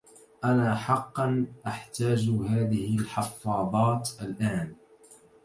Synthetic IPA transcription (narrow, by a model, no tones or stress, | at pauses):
ʔanaːħɑqːɑnʔaħt̪aːd͡ʒɦaːðɪhɪlħɑfːɑːðˤɑːt̪ʔalʔaːn